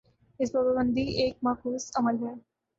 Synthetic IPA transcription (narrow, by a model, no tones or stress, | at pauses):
ɪsbəbəbə̃nd̪ʱieːk̚maːkuːsɐməlɦɛː